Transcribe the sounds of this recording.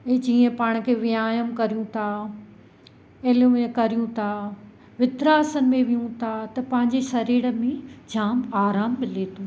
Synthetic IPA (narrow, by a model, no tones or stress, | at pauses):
ɛ̃ːd͡ʑiːə̃paːɽ̃̆kʰeːʋijaːjəmkɐɾijũt̪ʰa | eljũẽkɐɾijũt̪ʰa | ʋɪt̪ɾaːsənɪ̆mẽʋijũt̪ʰat̪ɐpɐ̃ɦɪ̃ɲd͡ʑesɐɾeːɽə̆mẽd͡ʑʱaːmaːɾaːmːɪlet̪ʰu